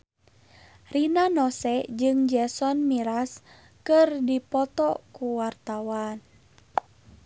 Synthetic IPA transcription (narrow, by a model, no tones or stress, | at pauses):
rinanɔsɛd͡ʒɨŋd͡ʒɛsɔnmiɾas | kɨrdipɔt̪ɔkuwart̪awan